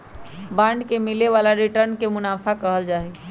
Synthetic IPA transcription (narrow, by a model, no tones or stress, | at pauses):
bãɳɖkemileʋalaɾiʈəɾnkemʊnaːpʰakəɦəld͡ʒaːɦi